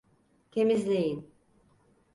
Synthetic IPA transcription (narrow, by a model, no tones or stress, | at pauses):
t̪ʰe̞mizlʲejin